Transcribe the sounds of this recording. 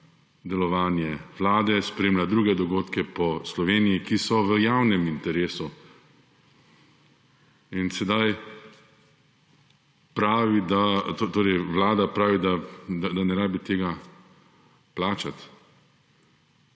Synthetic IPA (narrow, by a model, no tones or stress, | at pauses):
d̪ɛlɔʋaːnjɛʋlaːd̪ɛspɾeːmlʲad̪ɾuːɡɛd̪ɔɡoːt̪kɛpɔslɔʋeːnijikisɔʋəjaːwnɛmint̪ɛɾeːsu | insɛd̪aj | pɾaːʋid̪at̪ot̪oːɾɛjʋlaːd̪apɾaːʋid̪ad̪ad̪anɛɾaːbit̪eːɡa | plaːt͡ʃat̪